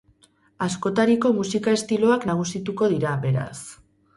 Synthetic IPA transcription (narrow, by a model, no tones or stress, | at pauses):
asko̞t̪aɾiko̞musikae̞st̪ilo̞aknaɣ̞usit̪uko̞ð̞iɾaβe̞ɾa̰s